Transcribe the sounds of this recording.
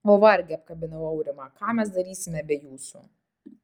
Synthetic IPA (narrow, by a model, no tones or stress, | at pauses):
oːʋɐɾʲɡʲɛɐp̚kɐbʲɪnɐʋɐʊɾʲɪmɑkɑːmʲɛsd̪ɐɾʲiːsʲɪmʲɛbʲɛjuːsṵ